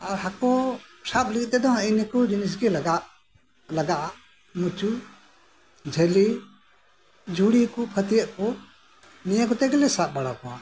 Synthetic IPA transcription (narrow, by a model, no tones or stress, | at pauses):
aɾɦakɔ | sap̚lik̚t̪ɛd̪ɔɦinikɔd͡ʒinis̬ɡɛlaɡaʔ | laɡaʔaʔ | nut͡ʃu | d͡ʒʱeli | d͡ʒʱuɽikupʰət̪ijəʔkɔ | nijəkɔt̪ɛɡɛlɛsaʔ̚baɽakɔwa̰